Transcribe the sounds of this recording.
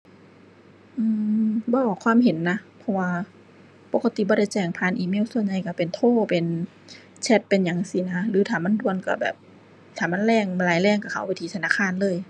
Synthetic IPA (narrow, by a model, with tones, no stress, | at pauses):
ʔɯː˧˩bɔː˧˩ɔ˨˧˩kʰwaː˧˥˨mhe˨˦nːa˧˥pʰɔ˧waː˧ | po˧˦ka˧t̪i˧˦bɔː˧ɾa˧˩˨jt͡ɕɛː˧˩ŋpʰaː˧˥˨nʔiː˧˨meː˧˥˨wsu˧˨ənɲa˧˩jka˧˩pe˨nt̪ʰoː˧˥˩pe˨n | t͡ɕʰɛ˧˥t̪̚pe˨nɲa˨˦ŋsi˧˦na˧˥lɯː˨˦t̪ʰaː˨˩ma˧˥˨ndu˧˨ənka˧˩bɛ̰ː˨˩p̚ | t̪ʰaː˨˩ma˧˥˨nlɛː˧˥˨ŋm˧laː˨˦jlɛː˧˩˨ŋka˧˩kʰa˧˩˦wpa˧˨jt̪ʰiː˧t̪ʰnaː˧˥˩kʰaː˧˥˨nlɤː˧˨j